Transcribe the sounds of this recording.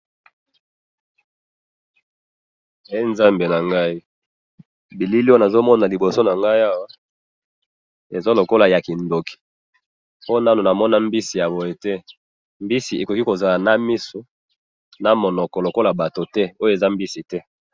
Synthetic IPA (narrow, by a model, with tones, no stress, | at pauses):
e˦nza˦mbe˨na˨ŋɡa˦i˦ | bi˨li˦li˦˨a˨zo˦mɔ˦na˨li˨bo˨so˦na˨ŋɡa˦i˦a˦wa˦ | e˨zo˦lo˨ko˦la˨ja˨ki˨ndo˨ki̥˨ | po˦na˦no˨na˨mɔ˦na˦mbi˦si˨ja˨bɔ˨je˨tɛ˦ | mbi˦si˨e˨ko˨ki˦ko˨za˨la˨na˦mi˦so˦ | na˨mo˨nɔ˨kɔ˨lo˨ko˦la˨ba˨to˨tɛ˦o˦jo˦e˨za˦mbi˦si˨tɛ˦